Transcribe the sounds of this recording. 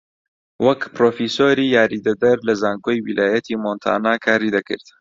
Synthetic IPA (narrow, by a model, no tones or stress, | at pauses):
wʔɐkpɾoːfisoːɾiːjaːɾid̪ɐd̪ɐɾlɐzaːŋkojwilʔaːjɐt̪ʰimoːnt̪ʰa̰ːnaːkʰaːɾid̪ɐkɨ̰ɾt̪